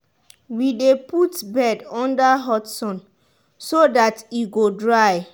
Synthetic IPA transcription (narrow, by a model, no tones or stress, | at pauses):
wideputbɛdɔ̃ndaɦɔtsɔ̃n | sodatiɡodɹaj